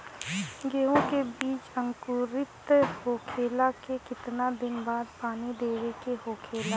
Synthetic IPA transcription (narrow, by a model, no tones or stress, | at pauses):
ɡeːɦõkebiːt͡ʃə̃ŋkʊɾɪt̪hoːkʰeːlakekɪt̪nad̪ɪnbaːd̪paːnid̪eːɾekehoːkʰeːla